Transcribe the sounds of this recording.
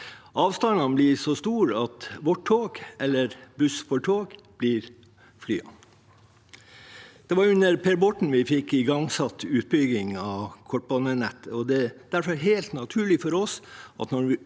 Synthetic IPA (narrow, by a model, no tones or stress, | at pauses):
ʔɑːʋst̪ɑnɑnblɪsɔst̪uːɾɑt̪ʋɔʈʰoːɡɛlːəɾbʉsfɔʈʰoːɡb̥liɾ | fly̰ːɑ̰ | d̪̥ɛʋɑɾjʉnːəɾpʰeːɾbɔʈɳ̩ʋɪfɪkːɪɡɑŋsɑt̪ːʉːt̪̚bʏɡɪŋɑʋkʰɔʈ̚bɔnənɛt̪ːəɔd̪ɛd̪̥æɾfəɾɦeɪlt̪nɑt̪ʰʉːɭɪfɔɾɔsʔɑ̰t̪nɔɾʋɪ